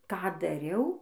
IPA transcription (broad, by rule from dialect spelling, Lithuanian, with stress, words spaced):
ˈkɑː dɐˈrʲɛʊ